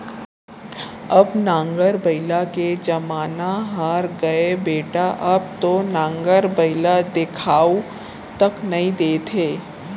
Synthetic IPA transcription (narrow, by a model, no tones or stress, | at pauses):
ɐbnãːŋɡəɾbɐɪlaked͡ʒɐmaːnaɦaɾɡɐebeːʈaʔɐb̚t̪onãːŋɡəɾbɐɪlad̪ɪkʰaːu | t̪ɐknɐɦĩd̪eːt̪ʰeː